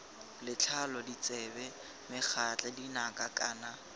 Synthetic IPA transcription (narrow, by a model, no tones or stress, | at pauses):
lɪt͡ɬʰalɔdit͡sʼɛbɛ | mɪk͡xʰat͡ɬʼadinakʼakʼaːna